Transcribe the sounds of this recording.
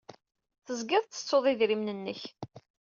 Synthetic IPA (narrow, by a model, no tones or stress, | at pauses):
θəzɡɪðˤt͡s̪ːə̥t͡sːoðˤɪðɾimnənːəç